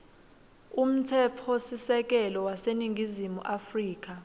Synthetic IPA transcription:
um̩tʰɛpʰɔsisɛk̬ɛlɔwaseniŋɡʱizimuʔafriːk̬a

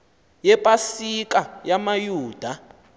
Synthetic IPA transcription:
jɛpʼasik̬ʼajamajuːd̥ʱa

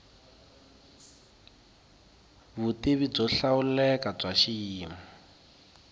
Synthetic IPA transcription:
βuteβib͡ʐɔɬaulɛkab͡ʐaʃiiːma

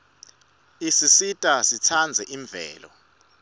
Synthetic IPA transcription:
isisitʼasit͡sʰand͡zʱɛʔiɱb̪vɛ̰ːlɔ̰

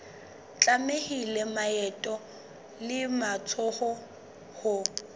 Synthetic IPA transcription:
t͡ɬʼamehilɛmaɛtʼɔ | lɪmat͡sʰɔhɔ | hʊ

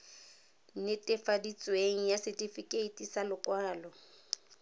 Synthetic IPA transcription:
nɪtʼɪfadit͡sʼweŋ̩jasɪtʼifikʼeitʼisalʊkʼwaːlɔ

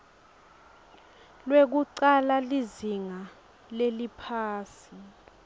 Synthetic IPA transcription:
lwek̬uǀalaliziŋa | lelipʰaːsi̥

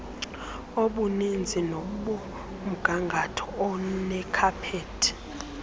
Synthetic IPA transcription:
oɓunind͡zʱinoɓɔ | m̩ɡ̥ʱaŋɡʱatʰɔ̥ɔnɛkʰapʰeːtʰi̥

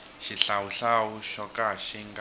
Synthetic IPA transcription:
ʃiɬawuɬawuʃɔkaʃiŋɡ

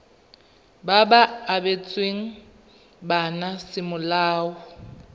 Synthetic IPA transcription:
babaːbet͡sʼweŋ̩ | banasɪmʊlaːwʊ

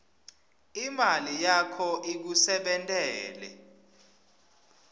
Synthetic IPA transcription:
imalijakʰɔʔik̬usɛɓɛntʼɛːlɛ̰

